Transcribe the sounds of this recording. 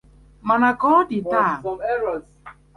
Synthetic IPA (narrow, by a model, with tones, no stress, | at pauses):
ma˨na˨kɔ˦dɪ˨ta˦˨ɔ˨mɛ˦ɾɔ˨